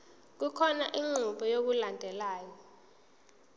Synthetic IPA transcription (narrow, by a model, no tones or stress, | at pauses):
k̬ukʰɔnaʔiŋ͡ǀuɓɔjok̬ulandʱɛlaːjɔ